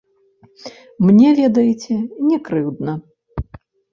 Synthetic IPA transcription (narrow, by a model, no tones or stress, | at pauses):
mnʲɛvʲɛd̪ɐjit͡sʲɛnʲɛkɾɨwd̪nɐ